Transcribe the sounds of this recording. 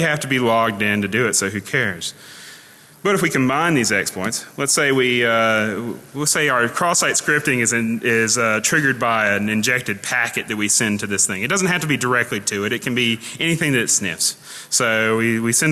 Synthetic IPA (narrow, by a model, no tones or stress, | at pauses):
hæftɨbilɔɡ̚dɪ̃ntɨdɨɪtsoʊɦʉkʰɛɹz̥ | b̥ʌɾɨfwikʰɨ̃mbãɪ̃nðizɛkspʰɔ̃ɪntslətseɪwiʌ | ətseɪə˞kʰɹ̥ɔsaɪtskɹɪp̚tɪ̃ŋɨzɨɪzʌtʰɹ̥ɪɡə˞d̚baɪɨ̃nɨ̃nd͡ʒɛk̚tɨd̚pʰækɨt̪̚ðɨt̚wisɛ̃ntʰɨðɪsθɪ̃ŋɨt̚d̥ʌzn̩t̚ɦæftɨbidə˞ɛk̚tˡliɾʰɨɪɾɨt̚kʰɨ̃n̩biʔɛniθɪ̃ŋðɨtsnɪ̰fs | soʊwiwisɛ̃n